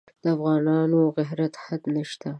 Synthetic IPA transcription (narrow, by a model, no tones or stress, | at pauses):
d̪̥əafɣɑnɑnoɣɪɦɾat̪had̪nəʃt̪a